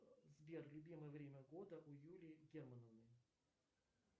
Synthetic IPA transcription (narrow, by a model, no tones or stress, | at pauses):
zbʲerlʲʊbʲiməjəvɾʲemʲəɡod̪əʔʊjulʲɪɡʲermənəvnɨj